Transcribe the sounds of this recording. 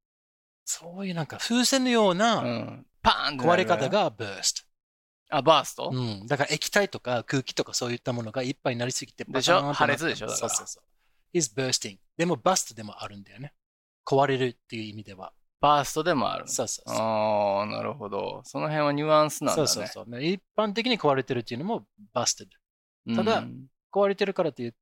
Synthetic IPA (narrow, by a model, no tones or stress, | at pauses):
so̞ːjɯ̟ːnãŋkaɸɯːse̞nojo̞ːnaɯ̃pã̰nt̪koβaɾekat̪aɡabøːsɨ̥t̪o̥ | abaːst̪o̰ɯ̟̃ːd̪akaɾaekʲi̥t̪ait̪o̞kakɯ̟ːkʲi̥t̪o̞kaso̞ːjɯ̟t̪ːamo̞no̞ɡaipːainaɾʲisɨɡʲit̪e̞d̪aeɕaõth̪aɾet͡sɨd̪e̞ɕod̪a̰skoːɾsoːsoː | izɨbøːst̪ĩŋd̪e̞mo̞basɨ̥t̪od̪e̞mo̞ʔaɾɯ̟̃nd̪ajo̞ne̞ | ko̞βaɾe̞ɾɯ̟t̪ːe̞jɯ̟ːimʲid̪e̞βa̰ | b̥asɨ̥t̪o̞d̪e̞mo̞̰a̰ɾɯ̰so̞ːso̞ːoːna̰ɾɯ̟ho̞d̪o̞̰so̞no̞ɦẽɰ̃βaɲ̟ɨãɰ̃sɨnã̰so̞ːsaoːso̞̰ːnaipːãnt̪̬e̞kʲiɲ̟iko̞βaɾe̞t̪e̞ɾɯ̟t̪ːeiɯ̟no̞mo̞bast̪ed̪ɯ | t̪ad̪a | ko̞βaɾe̞t̪e̞ɾɯ̟kaɾat̪ːejɯ̟